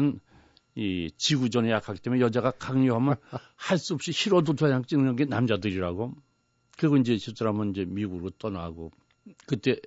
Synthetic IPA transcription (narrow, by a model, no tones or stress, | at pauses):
ɯn | it͡ɕiɡud͡ʑʌnejakʰaɡit͈emujejʌd͡ʑaɣakaŋɲoɦamjʌn | haɭs͈uʌp̚ɕ͈içiɾodotʌɲaŋt͡ɕ͈innɯŋɡenamd͡ʑadɯɾiɾaɡo | kɯɡʌind͡ʑe̞ɕʰip̚s͈aɾamɯnind͡ʑe̞miɡuɾot͈ʌnaɡo | kɯt͈e̞